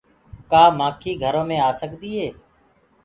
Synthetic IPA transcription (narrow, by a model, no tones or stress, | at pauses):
kaːmaːkʰiːɡʱəɾõːmẽːaːsəkd̪iːɦeː